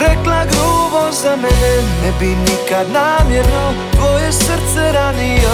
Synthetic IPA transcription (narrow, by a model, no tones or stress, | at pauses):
ɾɛklaɡɾubozamɛnɛnɛbinikad̪namjɛna | blojɛsəɾt̪sɛɾania